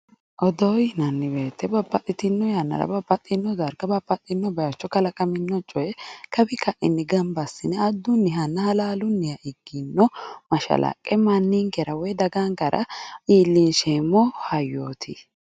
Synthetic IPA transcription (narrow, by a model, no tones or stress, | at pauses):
ʔɔd̪ɔːjnɐnːɪbeːt̪ʰːɛbɐpʼːɐt̪ʼːɪt̪ɪnːɔjanːɐ̰ɾɐ̰bɐpːɐt̪ʼːɪnːɔd̪ɐɾɡɐbɐpʼːɐt̪ʼːɪnːɔbɐjɐt͡ʃːɔkɐlɐkʼɐmɪnːɔt͡ʃʼːɔjɛkɐbɪkɐʔɪ̰nːɪɡɐmbɐsːɪnɛɐd̪ːʊnːɪɦɐnːɐhɐlaːlʊnːɪjɐʔɪɡːɪnːɔmɐʃɐ̰la̰kʼɛmɐnːiŋkɛɾɐwɔjɛd̪ɐɡaŋɡɐɾʔɐ̰iːlːinʃeːmːɔhɐjːoːt̪ʰɪ